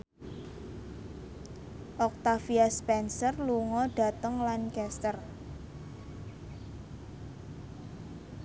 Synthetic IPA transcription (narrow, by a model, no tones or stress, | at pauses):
ʔɔk̚t̪afiaspɛnsərluŋɔɖ̥a̤t̪əŋlankɛst̪ər